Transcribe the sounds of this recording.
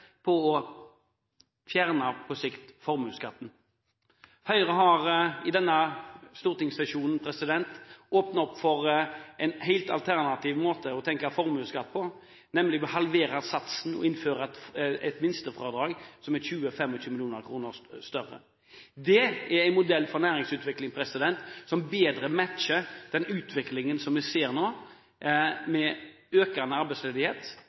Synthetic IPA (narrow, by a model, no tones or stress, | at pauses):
pʰɔɔ | fjæːʁnɑpʰɔsɪkt̪fɔɾmʉːskɑt̪ːn̩ | hœʏəʁəɦɑʁɪd̪ɛnːəst̪uːʁt̪ɪŋsɑʃuːnən̩pʰɾɛsɪd̪ɛnt̪oːpnɑɔpːfɔʁɛɪnhæɪlt̪ɑ̰lt̪ʰæʁnɑt̪ʰiːʋmoːt̪ʰəɔt̪ʰɛŋkɑfɔɾmʉːskɑt̪ːpʰɔ | nɛmlɪbɪhɑlʋeːɾɑsɑt̪sn̩ɔ̰ɪnføːɾəɛt̪mɪnst̪əfʁɔːd̪ɾɑːɡsɔmæçʉːəfɛmːɔçʰʉːmɪlɪjuːnəɾkʰɾuːnəɾst̪œrːə̰ | d̪ɛæɾæɪnmʊd̪ɛlːfɔɾnæːɾɪŋsʉːt̪ʋɪklɪŋpʰɾɛsɪd̪ɛnt̪sɔmbeːd̪ɾəmæt̪ʃəɾd̪̥ɛnʉːt̪ʰʋɪklɪŋənsɔmʋɪseːɾnoː | mɛ | øːkənəɑɾbæɪsleːd̪ɪheːt̪